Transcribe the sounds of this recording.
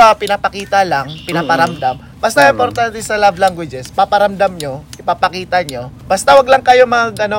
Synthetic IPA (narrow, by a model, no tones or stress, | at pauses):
apɪnapɐkiːt̪alaŋpɪnapɐɾɐmd̪am | bɐst̪ɐɪmpoɾt̪ant̪ɛsɐlablaŋɡwɪd͡ʒɛspapɐɾɐmd̪amɲoʔɪpapɐkiːt̪ɐɲo̞bɐst̪ɐwɐɡlɐŋkɐjomɐŋaɡɐno